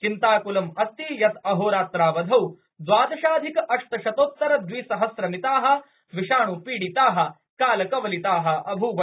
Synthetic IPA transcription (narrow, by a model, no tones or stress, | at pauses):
t͡ʃint̪aːkulɐmɐst̪ijɐt̪ɐɦoːɾaːt̪ɾaːʋɐd̪ʱɐw | d͡zwaːd̪ɐʃaːd̪ʱikɐʔɐʂʈ̪ɐʃɐt̪oːt̪ːɐɾɐd̪ʋiːsɐɦɐsɾɐmit̪aːɦɐ̆ | ʋiʃaːɳupiːɽit̪aːɦɐ̆ | kaːlɐkɐʋɐlit̪aːɦɐ̆ɐbʱuʋɐ